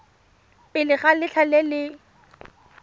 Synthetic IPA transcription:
pʼɪlɪχalɪt͡ɬʰalɛlɪ

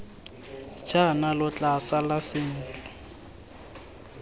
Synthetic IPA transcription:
t͡ʃʰʼanalʊt͡ɬʼasalasɪn̩ːt͡ɬʼɛ̥

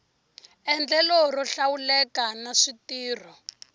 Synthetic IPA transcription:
ɛnd͡ɮɛlɔrɔɬawulɛkanaʂitiːr̤ɔ

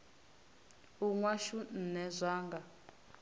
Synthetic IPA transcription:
uŋwaʃun̩nɛzʷaːŋɡa

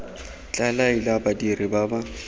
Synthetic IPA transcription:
t͡ɬʼalailabadiribaba

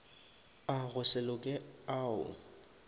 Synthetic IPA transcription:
aɣʊsɪlʊkʼɪaːʊ̰

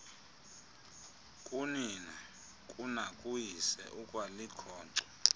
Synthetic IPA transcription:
kʼunina | kʼunakʼujisɛ̰ʔukʼwalikʰɔːǀɔ̥

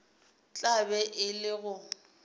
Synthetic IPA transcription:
t͡ɬʼabɛʔɪlɪɣʊ

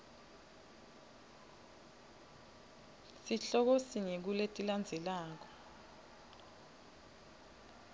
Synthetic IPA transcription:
siɬɔk̬osinek̬uletʼiland͡zʱɛlaːk̬ɔ̥

